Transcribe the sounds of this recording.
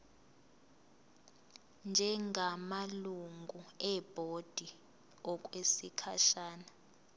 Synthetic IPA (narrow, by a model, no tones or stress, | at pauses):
nd͡ʒʱɛŋʱamaluŋɡʱuɛb̥ʱod̥ʱi | ɔk̬ʼwesikʰa̰ʃaːna